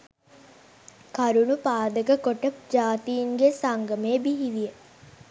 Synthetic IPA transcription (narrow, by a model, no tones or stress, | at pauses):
kaɾunupaːd̪əkəkoʈəp̚d͡ʒaːt̪iːŋɡesaŋɡəmeːbiɦiʋijə